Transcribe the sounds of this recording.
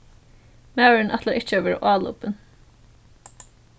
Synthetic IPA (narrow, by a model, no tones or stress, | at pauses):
mæɪnʔɛt̪ləɾʔɪt͡ʃəʋɪːɾ̰ʔɑːlṵpən